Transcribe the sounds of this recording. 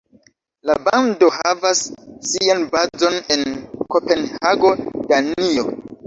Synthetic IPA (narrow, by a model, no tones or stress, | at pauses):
labando̞havasːianbazo̞ne̞nko̞pe̞nhaɡo̞d̥anio̞